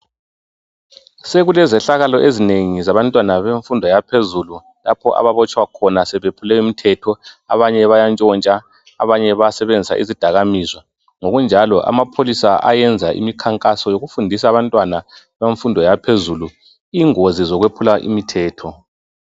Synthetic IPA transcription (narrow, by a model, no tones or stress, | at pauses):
seɣulɛzɛɬaɣalɔʔezineŋizaβantʼwanaβeɱfundʱɔjapʰezulu | la̰pʰɔʔa̰βaβɔt͡ʃʼwakʰɔnasɛβepʰulɛjɔimitʰɛtʰɔaβaɲɛβajant͡ʃʼɔnt͡ʃʼa | aβaɲɛβaasɛβend͡zʱisa̰ʔḭzid̥ʱaɣamiːzwa | ŋoɣund͡ʒʱalɔʔa̰mapʰolisaʔa̰jɛnd͡zʱaḭmikʰaŋkʼasɔjoɣufundʱisaːβantʼwana | βeɱfundʱɔjapʰezulu | iːŋozizɔɣwepʰulaʔḭmitʰɛːtʰɔ